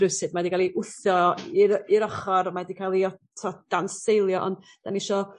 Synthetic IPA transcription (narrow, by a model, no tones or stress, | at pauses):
ɨwsɨdmadiɡalˠiʔʊθjɔiɾiɾɔχɔɾmadikʰalˠiɔtʰɔd̥ansejlˠjɔʔɔ̰nd | d̥aniʃɔ